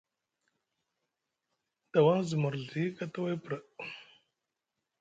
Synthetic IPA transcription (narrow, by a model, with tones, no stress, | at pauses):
d̥a˨wa˦ŋzə˨mə˨ɾɮi˦ka˦ta˦wa˦pɾə˨